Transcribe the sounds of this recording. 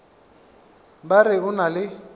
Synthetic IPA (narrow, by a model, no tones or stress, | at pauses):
barɪʊnalɪ